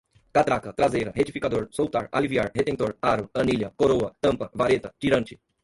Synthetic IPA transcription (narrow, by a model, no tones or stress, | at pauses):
kat̪ɾakɐt̪ɾazejɾɐhet͡ʃifikad̪oɾsowt̪a̰ɾa̰liviaɾhet̪ẽt̪oɾaɾʊɐ̃niljɐkoɾoɐt̪ɐ̃mpɐvaɾet̪ɐt͡ʃiɾɐ̃nt͡ʃɪ̥